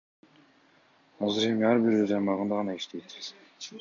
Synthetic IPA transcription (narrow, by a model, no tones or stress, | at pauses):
ɑzɯɾemiɑɾbiɾød͡ʒɑjmɑʁɯnd̪ɑʁɑnɑiʃt̪e̞jt̪